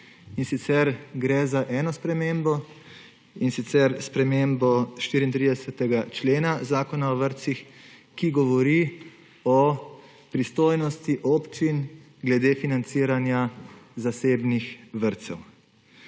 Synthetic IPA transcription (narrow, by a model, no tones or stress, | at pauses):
insit̪sɛɾɡɾɛzaʔɛːnɔspɾɛmembɔ | insit̪sɛɾspɾɛmembɔʃt̪iːɾint̪ɾid̪ɛsɛt̪ɛɡat͡ʃleːnazaːkɔnaɔʋəɾt̪sixkiɡɔʋɔɾi | ɔ | pɾist̪oːjnɔst̪iʔɔpt͡ʃin | ɡlɛd̪efinant̪siːɾanjazaseːbnixʋəɾt̪sɛw